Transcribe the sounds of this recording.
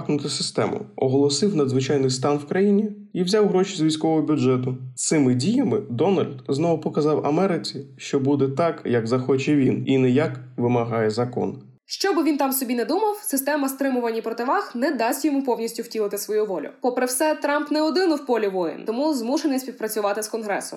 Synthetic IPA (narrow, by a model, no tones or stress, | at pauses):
knʊt̪ɪsɪst̪ɛ̰mʊ̰ɔɦɔlˠɔsɪwnɐd̪zʋɪt͡ʃɑjnɪjst̪ɑnwkɾɐjinʲi | iwzʲɑwɦɾɔʃizʋʲijsʲkɔʋɔɦɔbʲʊdd͡ʒɛt̪̬ʊsɪmɪdʲijɐmɪd̪ɔnɐlʲd̪znɔʋʊpɔkɐzɑwɐ̰mɛɾɪt͡sʲiʃt͡ʃɔbud̪ɛt̪ɑkjɐɡzɐxɔt͡ʃɛʋʲininɛjakʋɪmɐɦɑjɛzɐkɔ̰n | ʃt͡ʃɔbɪʋʲint̪ɑmsɔbʲinɛd̪umɐwsɪst̪ɛmɐst̪ɾɪmʊʋɐnʲːipɾɔt̪ɪʋɑxnɛd̪ɑsʲtʲjɔmupɔwnʲisʲtʲʊwtʲilˠɐt̪ɪsʋɔjuʋɔlʲʊ̰pɔpɾɪwsɛt̪ɾɑmpnɛɔd̪ɪnʊwpɔlʲɪʋɔjɪ̰nt̪ɔmuzmuʃenɪsʲpʲiwpɾɐt͡sʲʊʋɑt̪ɪskɔnɦɾɛ̰sʊ̰